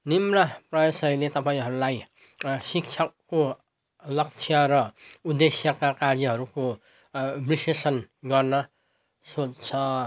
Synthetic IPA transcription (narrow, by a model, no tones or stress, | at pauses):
nimraprʌjʌsʌilet̪ʌpaĩɦʌɾulaj | sik̚t͡sʰʌko | lʌk̚t͡sʰjʌɾʌud̪esjʌkakaɾd͡ziɦʌɾuko | brisesʌnɡʌrnʌ | sot͡st͡sʰʌ